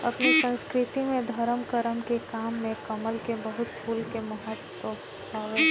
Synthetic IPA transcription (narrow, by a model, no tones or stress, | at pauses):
ɐ̰pnisə̃nskɾɪt̪imẽd̪ʱɐɾəmkəɾəmkekaːmːẽkɐməlkebɐɦʊt̪pʰuːlkemɐɦət̪wəs | t̪ʰaʋe